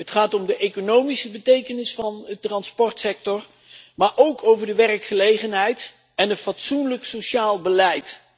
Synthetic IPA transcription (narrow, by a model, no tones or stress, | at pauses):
ɦətχaːtɔmdəʔejkonowmisəbətejkənɪsfɑnətrɑnspɔɹtsɛk̚tɔr | maːɹʔowkʰowvəɹdəʋɛrəkχəlejχənɦɛjt | ɛnətfɑtsunləksoʃaːlˠbəlɛjt